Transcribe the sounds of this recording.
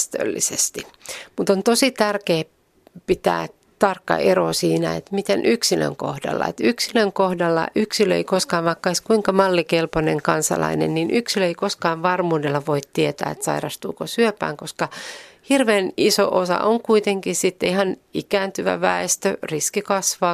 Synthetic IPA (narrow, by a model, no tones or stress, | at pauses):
st̪ø̰lːḭsest̪imut̪ont̪osit̪ærkeː | pit̪æ̰ː | t̪ɑrkːɑ̰ʔerosiːnæet̪mit̪enʔyksilø̰ŋko̰hdɑ̰lːɑ̰ḛt̪yksiløŋkohdɑlːɑ̰ʔyksiløḛikoskɑːʋmɑkːɑiskuiŋkɑmɑlːikelponeŋkɑnsɑ̰lɑ̰inḛnninʔyksiløeikoskɑːʋʋɑrmuːdelːɑʋoit̪tiet̪æ̰ːet̪sɑ̰irɑst̪ṵːkosyøpæ̰ːŋkoskɑhirʋeːniso̰ʔosɑ̰ʔoŋkuit̪eŋkissit̪ːihɑnikæːnt̪yʋæ̰ʋæest̪ø̰riskikɑsʋɑː